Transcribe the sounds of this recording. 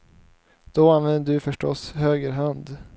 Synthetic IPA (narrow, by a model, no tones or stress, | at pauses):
d̪̥ɔanvɛnd̪əd̪ɵfœʂʈɔshøːɡəɾɦand̪